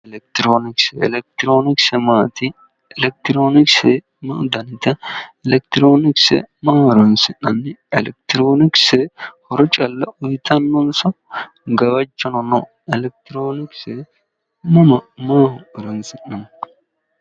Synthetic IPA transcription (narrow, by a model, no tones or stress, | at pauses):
ɛlɛk̚t̪ɪɾoːnɪksɛɛ̰lɛk̚t̪ɪɾoːnɪksɛmaːt̪ɪ | ɛlɛk̚t̪ɾoːnɪksɛ | mɐd̪ɐnɪt̪ɐɛlɛk̚t̪ɪɾoːnɪksɛ̰maːɔɾɔnsɪnɐnːɪɛlɛk̚t̪ɪɾoːnɪksɛhɔɾɔt͡ʃʼɐlːɐʊjɪt̪ɐnːɔnsɔ | ɡɐwɐt͡ʃːɐnɔnɔ | ɛlɛk̚t̪ɪɾoːnɪksɛ | mɐmɐmaːʊɾɔnsɪnːɐn